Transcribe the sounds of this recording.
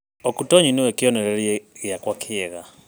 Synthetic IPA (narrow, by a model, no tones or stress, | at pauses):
ɔkutɔɲiniwɛkiɔnɛɾɛɾiɣjakwakʰiɛɣa